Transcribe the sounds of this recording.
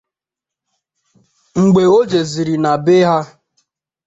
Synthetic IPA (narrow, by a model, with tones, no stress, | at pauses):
ŋ͡m̩˨ɡ͡be˨o˦d͡ʒe˨zi˨ɾi˨na˨be˦ɦa˦